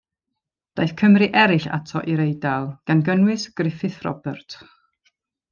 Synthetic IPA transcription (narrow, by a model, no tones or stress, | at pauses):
d̥ajθkʰəmriʔɛɾɪɬa̰tʰɔʔiɾejdalˠɡ̥anɡənwɨsɡ̥rɪfɨθrɔ̰bɛrtʰ